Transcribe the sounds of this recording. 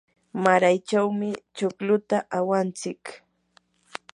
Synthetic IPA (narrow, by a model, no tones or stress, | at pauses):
maɾajt͡ʃawmɪt͡ʃoklʊt̪aʔawant͡sɪk